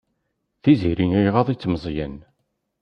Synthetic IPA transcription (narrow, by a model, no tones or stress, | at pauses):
θiziɾinijʁɑðˤit͡sːməzˤjæn